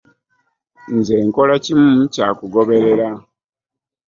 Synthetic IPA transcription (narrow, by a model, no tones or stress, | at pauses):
nze̞ːŋko̞lacimucaːkuɡo̞βe̞ɾe̞ɾa